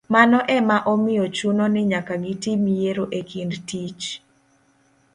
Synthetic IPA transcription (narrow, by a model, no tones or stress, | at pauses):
manɔʔɛmaʔɔmɪjɔt͡ʃunonɪɲakaɡɪtimijeɾoʔekʰindtit͡ʃ